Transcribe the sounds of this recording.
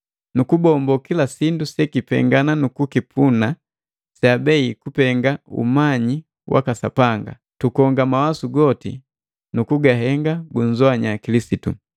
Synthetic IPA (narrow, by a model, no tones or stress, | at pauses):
nukubɔmbɔkilasindusɛkipɛ̰ŋɡananukukipʰuna | sabɛikupɛŋɡaṵmaɲi | wʔa̰kasa̰paŋɡa̰ | tukɔŋɡamawasuɡɔtḭ | nukuɡaɦɛŋɡaɡuɲd͡ʒɔaɲakilisitṵ